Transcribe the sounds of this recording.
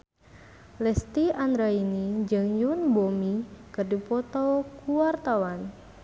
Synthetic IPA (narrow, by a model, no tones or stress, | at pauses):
lɛst̪iand̪ɾainid͡ʒəŋjunbomikərdipɔt̪ɔkuwart̪awan